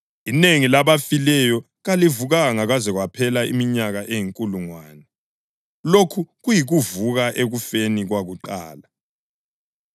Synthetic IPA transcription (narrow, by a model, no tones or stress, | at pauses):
ineŋilaβafilɛjɔ | ɣalivuɣaɣaŋaɣazɛɣwapʰɛlaḭmiɲaɣaʔejiŋkʼuluŋwaːnɛ | lokʰuɣujiɣuvuɣaʔeɣufeniɣwaɣuǃa̰ːla